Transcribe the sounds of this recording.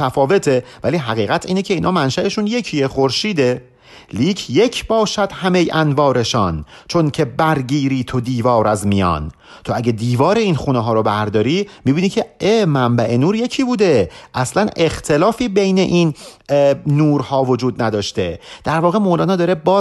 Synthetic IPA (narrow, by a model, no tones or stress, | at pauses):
æfɒːve̞t̪ʰevæliːɦæɣiːɣæt̪ʰiːnecʰe̞iːnʔɒːmænʃæeʃunje̞cʰiexoɾʃiːd̪e̞ | liːcʰje̞cʰbɒːʃæd̪̥hæmejænvɒːɾe̞ʃɒːn | t͡ʃʰo̞ncʲʰe̞bæɾɡiːɾiːt̪ʰod̪iːvɒːɾæzmijɒ̰ːn | t̪ʰoæɟæd̪iːvɒːɾeinxuːneɦɒːɾobæɾd̪ɒːɾiːmibiːnicʰe̞eːmæmbæʔe̞nuːɾje̞cʰiːbuːd̪eʔæslæne̞xt̪ʰe̞lɒːfiːbe̞jne̞ʔinː | uːɾhɒːvod͡ʒuːd̪næd̪ɒːʃt̪e̞d̪̥æɾvɒːɣe̞moːlɒːnɒːd̪ɒːɾe̞bɒː